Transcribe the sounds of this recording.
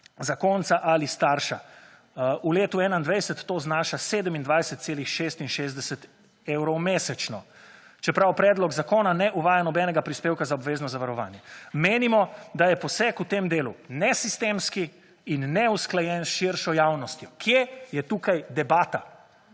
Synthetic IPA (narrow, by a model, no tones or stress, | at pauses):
zakoːnt̪saʔalist̪aːɾʃa̰ | uleːt̪uɛːnaind̪ʋɛjsɛt̪ːoːznaːʃaseːd̪əmind̪ʋajsɛt̪seːlixʃeːst̪inʃeːzd̪ɛsɛt̪ | ewɾɔwmeːsɛt͡ʃnɔ | t͡ʃɛpɾawpɾɛːd̪lɔɡzakoːnanɛʔuʋaːjanɔbɛːnɛɡapɾispeːwkazaɔbʋeːznɔzaʋaɾɔʋa̰ːnjɛmeːnimɔd̪ajɛpɔsɛkut̪emd̪eːlṵnɛsist̪eːmskiː | nːɛusklajɛnʃiɾʃɔjawnɔst̪jɔkʰjejɛt̪ukajd̪ɛbaːt̪a